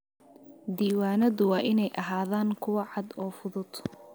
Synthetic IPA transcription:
d̪iːwaːnɐðʊwɑːʔɪnɛjʔɐɦaːðaːŋkʰʊwɐʕɑd̪ɔːfʊðʊd̪

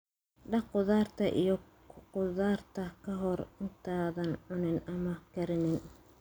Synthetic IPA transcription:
ɖɐqʊðaːrt̪ʰɐʔḭjɔ | qʊðaːrt̪ʰɐkʰɐɦɔrɪnt̪ʰaːðɐnʕʊnɪnɐmɐkɐɾɪnɪn

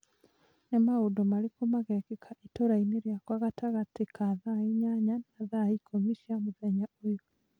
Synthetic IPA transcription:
nemaodomaɾikomaɣɛkekʰaʔitoɾaineɾjakwaɣataɣatekʰaðaiɲaɲanaðaikʰomiʃiamuðɛɲaoj

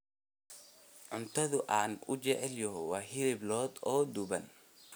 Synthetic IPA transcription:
ʕʊnt̪ʰɐðʊʔaːnʊt͡ʃɛʕɛljɔɦwɑːɦɪlɪblɔːd̪ɔːd̪ʊβɐn

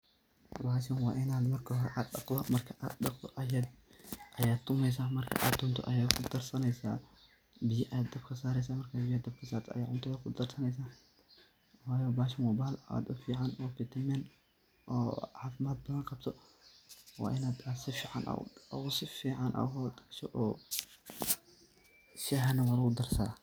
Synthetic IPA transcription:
waːʃɐnwaːʔɪnaːd̪mɐrkʰɐhɔɾɛʔaːd̪ɗɐqd̪ɔmɐrkʰɐʔa̰ːd̪ɗɑqd̪ɔ̰ʔɐjaːd̪ʔɐjaːd̪ʰʊmɛjs̬aːmɐrkʰɐ̰ʔaːd̪ʊnt̪ʰɔ̰ʔɐjaːd̪kʰʊd̪ɐrsɐnɛjsa̰ː | bɪjɐʔad̪ɐbkʰɐsaːɾɛjs̬aːmɐrkʰabɪjaːd̪ɐb̚kʰɐsaːɾt̪ʰɔɐ̰jaːʕʊnt̪ʰɐɐkʰʊd̪ɐrsɐnɛjs̬aː | wajobaʃɐmobahla̰d̪ofiʕanofet̪ʰɐmen | ʔo̰ʕafmat̪̚bɐalkʰɐbt̪ʰo | wa̰ʔnad̪asifiʕa̰na̰w̰awusifiʕanʔa̰hot̪kʃɐʔo | ʃaɦanɐwalud̪ɐɾsa

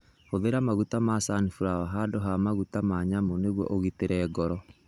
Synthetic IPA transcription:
hoðeɾamaɣutamasanifuɾawaɦadoɦamaɣutamaɲamoneɣwɔ̰ʔoɣiteɾɛːɡɔɾɔ

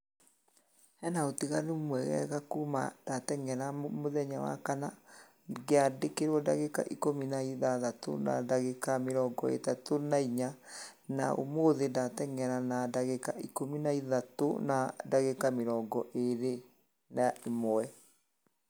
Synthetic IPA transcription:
ɛnaotiɣanumwɛɣɛ̰ɣakuma̰datɛŋɛɾamoðɛɲawa̰kana | ɡeadekeɾwɔdaɣeka̰ʔikominaiðaðato̰na̰daɣekameɾɔɡɔḛtatonaiɲa | na̰ʔo̰moðendatɛŋɛɾanadaɣekaikominaiðato̰nadaɣekameɾɔɡɔʔeɾe | naemoɛ

